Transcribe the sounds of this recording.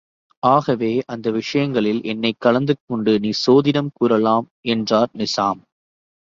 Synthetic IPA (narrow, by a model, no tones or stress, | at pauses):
ʔaːɣɐʋeːʔɐnd̪ɐʋɪʂɐjɐŋɡɐɭɪlʔɛnːɐɪkːɐɭɐnd̪ɯkːɔɳɖɯniːsoːðɪnɐmkuːɾɐlaːm | ɛndraːɾnɪsaːm